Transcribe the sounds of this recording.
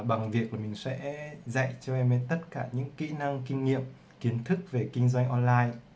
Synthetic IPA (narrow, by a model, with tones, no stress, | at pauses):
ɓa˨˩ŋvi˨˩ək̚laː˨˩mï˨˩ŋ̟sɛ̰˧˥za̰˧˨jt͡ɕɔ˧ʔɛ˧mɛ˧˦t̪ə˦˥t̚kaː˧˩ɲɨ̰˧˥ŋkḭ˧˥na˧ŋkï˧ŋ̟ːḭ˧˨əm | ki˨˦ənt̪ʰɨ˦˥k̚ve˨˩kï˧ŋ̟zwa˧jŋ̟ʔɔ˧nlaː˧j